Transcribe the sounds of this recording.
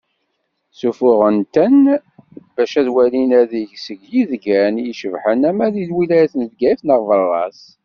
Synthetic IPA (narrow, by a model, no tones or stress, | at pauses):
sufʊʁənt̪æn | bæʃæðwælinæðiʝsəɡjiðɡænjiʃəvħənæmæðiðwilæjæθnvɡæəfnəʁvərˤːɑ̰s